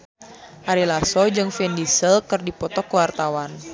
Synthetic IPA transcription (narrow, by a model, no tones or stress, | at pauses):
ʔaɾilasɔd͡ʒɨŋfɛndisəlkɨrdipɔt̪ɔkəwart̪awan